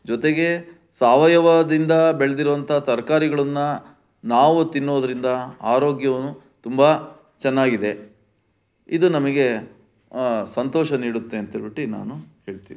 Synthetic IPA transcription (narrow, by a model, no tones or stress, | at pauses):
d͡ʒɔt̪e̞ɡe̞ | saːʋɐjɐʋad̪ind̪ɐbeɭed̪iɾuʋɐnt̪ʰɐɦt̪ɐɾkaːɾiɡɐɭɐnːɐ | naːʋut̪inːoːd̪ɐɾind̪ɐaːɾo̞ːɡjɐʋɐnːu | t̪umbɐ | t͡ʃɛnːaːɡid̪e̞ | id̪unɐmɐɡe̞ | sɐnt̪ɔːʃɐniːɽut̪ːeːnt̪iɭbiʈːina̰ːnuhe̞ːɭt̪ḭːni